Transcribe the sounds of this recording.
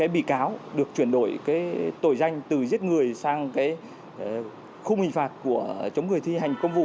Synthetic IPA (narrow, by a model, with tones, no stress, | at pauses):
kaː˨˦jɓḭ˧˨kaː˨˦wɗɨ˨˩ək̚t͡ɕwi˧˩ənɗo˧˩jkaː˨˦jt̪o˧˩jza˧jŋ̟t̪ɨ˨˩zi˦˥t̚ŋɨ˨˩əjsaː˧ŋkaː˨˦j | xʊ˧ŋ͡mhï˨˩ŋ̟faː˨˩t̚ku˧˩ət͡ɕə˨˦wŋ͡mŋɨ˨˩əjt̪ʰi˧ɦa˨˩jŋ̟kə˧wŋ͡mvṵ˧˨